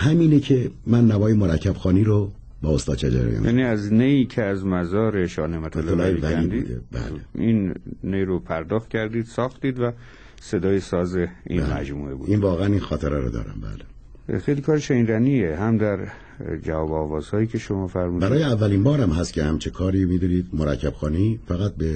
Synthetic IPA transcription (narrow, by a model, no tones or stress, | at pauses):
hæmiːnecʰemænːæmɒːjemoɾækʰːæb̥xɒːniːɾo | bɒːost̪ɒːd̪t͡ʃʰed͡ʒæ̰ɾḛjɛ̰mjʔæ̰niːæznejiːcʰeæzmæzɒːɾeʃɒːnemæt̪ʰeleelːeɾivænniːdb̪ṵːd̪ḛbæ̰ːleinːejɾopʰæɾd̪ɒːxt̪̚cʲʰæɾd̪iːd̪̥sɒːxt̪iːd̪væ | se̞d̪ɒːjesɒːzeḭmæ̰d͡ʒmuːe̞bṵiːnvɒːɣeæniːnxɒːt̪ʰeɾæɾo̰d̪ɒ̰ːɾæ̰mbæ̰ːle | xejlikʰɒːɾeʃeinɾænieɦæmd̪æɾ | d͡ʒævɒːbɒːvɒːz̥hɒːjiːcʰe̞ʃomɒːfæɾmuːdbæɾɒːjeævːæliːnbɒːɾæmɦæst̪kcʰehæmt͡ʃʰekʰɒːɾiːmiːd̪uniːd̪moɾæcʰːæb̥xɒːniːfæɣæt̪̚be